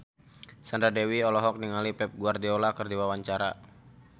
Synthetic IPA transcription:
sandɾadɛwiɔlɔɦɔk̚niŋalipɛp̚ɡuardiɔlakɨrdiwawaɲt͡ʃaɾa̰

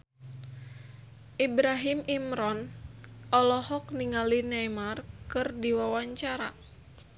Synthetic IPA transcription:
ʔibɾaɦimimɾɔnʔɔlɔhɔk̚niŋalinɛmarkɨrdiwawaɲt͡ʃaɾa

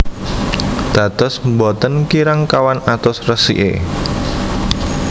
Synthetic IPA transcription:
d̪̥ä̤t̪ɔsmbɔt̪ənkiɾaŋkawanat̪ʊsrəsḭʔḛ

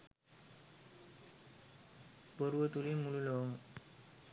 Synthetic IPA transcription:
boɾuʋət̪ulimululoŋ

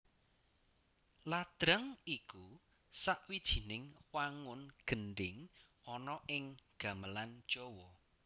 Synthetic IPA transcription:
lad̪̥ɾəŋiku | saʔwid̥ʒ̥i̤nɪŋwaŋʊnɡ̥ənɖɪŋ | ɔnɔʔɪŋɡ̥a̤məlan̥d͡ʒ̥ɔwɔ

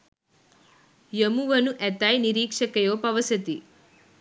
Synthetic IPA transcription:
jəmuʋɐnuʔɛt̪ajniɾiːkʂɐkɐjoːpɐʋɐsət̪i

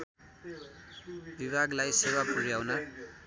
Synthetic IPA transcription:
bibʱaɡlajsewapuɾjawna

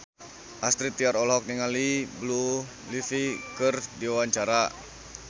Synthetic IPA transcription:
ʔast̪ɾit̪iaɾɔlɦɔk̚niŋaliblu | lifikɨrdiwawaɲt͡ʃaɾa

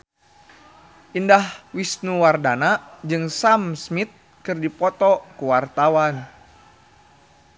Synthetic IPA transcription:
ʔindahwisnuwardanad͡ʒɨŋsamsmit̪̚ | kɨrdipɔt̪ɔkuwart̪awan

